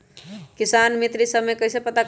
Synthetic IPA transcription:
kisanmit̪ɾisəbmekəisepət̪ak

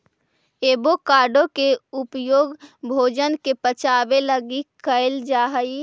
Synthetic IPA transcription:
eːbokaːɾɖõkeʊpjoːɡbʱoːd͡ʒənkepət͡ʃaːbeləɡikəɪld͡ʒaːɦəi

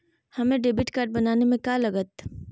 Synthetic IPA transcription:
hɐmẽɖeːbɪʈkaːɾʈ̚bɐnaːnemẽkalɐɡət̪

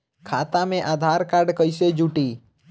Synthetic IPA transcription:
kʰat̪amẽʔad̪ʱaɾkaɾɖkəjsed͡ʒuʈi

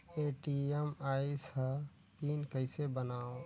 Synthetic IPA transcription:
eːʈiemaːisa | piːnkəɪsebənaːo

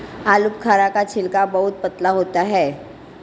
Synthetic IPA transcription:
aːlʊpkʰaːɾakat͡ʃʰɪlkabɐɦʊt̪̚pət̪laɦoːt̪aɦɛː

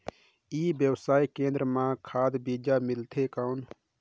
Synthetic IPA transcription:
iːbjəwsaːikẽːnd̪ɾəmãkʰaːd̪bid͡ʒamɪlt̪ʰekaʊn

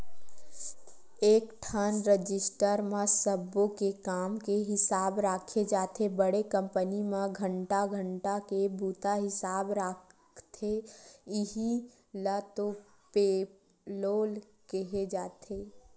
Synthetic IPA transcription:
eːkʈʰənɾəd͡ʒɪsʈəɾmãsəbõkekaːmkeɦɪsaːbɾaːkʰed͡ʒaːt̪ʰebəɽekə̃mpənimãɡʱə̃ɳʈaɡʱə̃ɳʈakebuːt̪aɦɪsaːbɾaːkʰ | t̪ʰeɪɦi | lat̪o | pe | loːl | keɦed͡ʒaːt̪ʰe

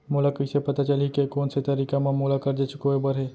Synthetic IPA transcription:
moːlakəɪsepɐt̪at͡ʃɐlikekoːnset̪ɐɾiːkamãmolakɐɾd͡ʒet͡ʃɪkoːibəɾɦeː

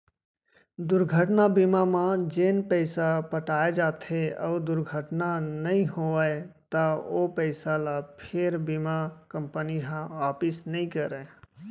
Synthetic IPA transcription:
d̪ʊɾɡʱəʈnabimamãd͡ʒenpəɪsapəʈaːed͡ʒaːt̪ʰeə̰ʊd̪ʊɾɡʱəʈnanəĩɦoəet̪əopəɪsalapʰeɾbimakəmpəniɦãʋaːpɪsnəĩkəɾɛ

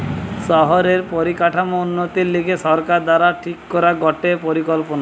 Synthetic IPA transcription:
ʃɔɦoɾeɾpoɾikaʈʰamounːot̪ilikeʃɔɾkaɾd̪aɾaʈʰikːɔɾaɡɔʈepoɾikɔlpona

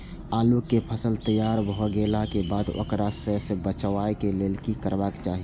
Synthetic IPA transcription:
aːlukepʰəsəlt̪əjaːɾbɦoɡeːlakebaːd̪o̰kɾasəsebət͡ʃʋaekeleːlkikəɾbakt͡ʃaːɦi

